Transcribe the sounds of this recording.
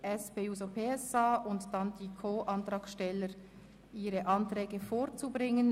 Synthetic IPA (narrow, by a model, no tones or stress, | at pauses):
ʔɛspeːuːzopʰeːɛsɑːʔʊntd̥ɑndiːkʰoːʔɑntɾɑːkʃtɛləɾ | ʔiːɾəʔɑntɾɛːɡəfoːɾt͡subʁɪŋən